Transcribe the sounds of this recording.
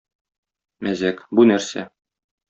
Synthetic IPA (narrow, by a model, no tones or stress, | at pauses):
mæzækbunæɾsæ̰